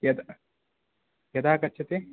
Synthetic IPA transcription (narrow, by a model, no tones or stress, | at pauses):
jɐd̪ | jɐd̪aːkɐt͡ʃːɐt̪e